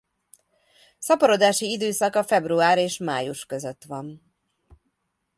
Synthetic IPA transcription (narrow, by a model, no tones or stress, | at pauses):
sɒpɒɾo̞d̪aːʃiid̪øːsɒkɒfɛbruaːɾeːʃma̰ːjuʃkø̞zø̞t̪ʋɒn